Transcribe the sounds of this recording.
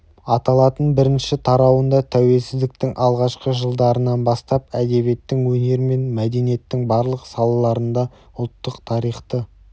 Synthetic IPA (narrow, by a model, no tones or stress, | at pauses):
ɑt̪ɑlˠɑt̪ənbɪɾɪnʃɪt̪ʰɑɾɑwənd̪ɑt̪ʰæwe̞lsɪzd̪ɪk̚t̪ɪŋʔɑlˠʁɑʃqəʒəlˠd̪ɑɾənɑnbɑst̪ɑpæd̪e̞bje̞t̪ːɪŋwɵne̞ɾɪme̞nmæd̪e̞nije̞t̪ːɪŋbɑɾlˠəqsɑlˠɑlˠɑɾənd̪ɑ | ʊlˠt̪ːəqt̪ʰɑɾijχt̪ə